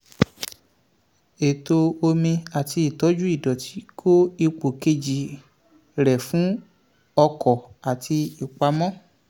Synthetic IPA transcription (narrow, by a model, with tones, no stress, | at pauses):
e˨to˧o˧mĩ˧a˨ti˧i˨tɔ˨˦d͡ʒu˦i˦˨dɔ˨tʰi˨˦kʰo˦i˧k͡po˨ke˧d͡ʒi˨ | ɾɛ˨fũ˨˦ | ɔ˧kʰɔ˨a˨ti˧i˨k͡pa˧mɔ̃˦